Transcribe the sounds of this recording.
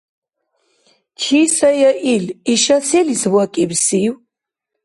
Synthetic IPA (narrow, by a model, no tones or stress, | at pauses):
kʰisajaʔiliʃasʰɛliswakʼibsiw